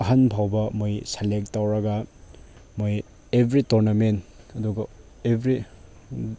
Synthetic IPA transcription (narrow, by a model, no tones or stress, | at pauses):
ɐɦɐnpʰawbɐmojselek̚tːawɾɐɡɐ | moj | ebʱɾitoɾnɐment | ɐduɡɐ | ebʱɾi